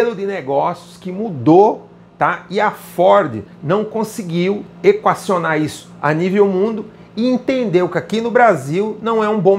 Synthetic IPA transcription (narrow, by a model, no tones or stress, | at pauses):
elʊd̪ɪneɡɔsjʊskɪmud̪o | t̪aɪɐfɔɾd̪ɪ̰nɐ̃w̃kõsɪɡiw | ekwasionaɾisʊ̥a̰nivewmũnd̪ʊ | ɪẽt̪ẽnd̪ewkɪakinʊbɾaziwnɐ̃w̃ɛũbõ